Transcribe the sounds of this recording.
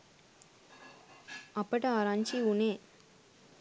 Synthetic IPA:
ɐpːɐʈɐaːɾaːɲt͡ʃiuneː

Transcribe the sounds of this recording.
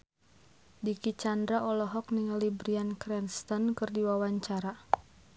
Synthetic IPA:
dikit͡ʃandɾaʔɔlɔɦɔk̚niŋlibɾiankɾɛnst̪ankɨrdiwawaɲt͡ʃaɾa

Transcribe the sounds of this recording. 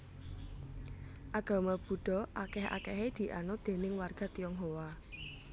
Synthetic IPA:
ʔaɡ̥a̤mab̥ṳɖ̥ɔ̤ʔakɛha̰kɛɦed̪̥i̤ʔa̰nod̪̥e̤nɪŋwarɡ̥a̤t̪ijɔŋɦowa

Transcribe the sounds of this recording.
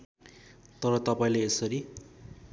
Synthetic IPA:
t̪ʌɾʌt̪ʌpaĩleesʌɾi

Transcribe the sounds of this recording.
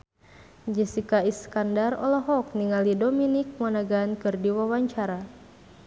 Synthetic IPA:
d͡ʒəsikaiskandarɔ̰lɔɦɔk̚niŋalidominik̚manaɡaːnkɨrdiwawaɲt͡ʃaɾa

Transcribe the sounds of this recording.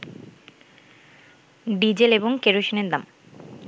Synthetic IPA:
ɖid͡ʑeleboŋkeɾoʃineɾd̪am

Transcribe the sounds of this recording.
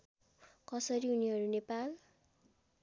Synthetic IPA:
kʌsʌɾiuniɦʌɾunepal

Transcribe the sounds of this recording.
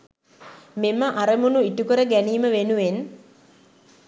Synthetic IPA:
meməʔaɾəmunuiʈukəɾəɡæniːməʋenuʋen

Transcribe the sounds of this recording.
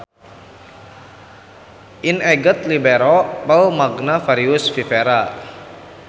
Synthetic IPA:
ʔinɛɡət̪libɛɾɔpəlmaɡnafaɾiʊsfifeɾa

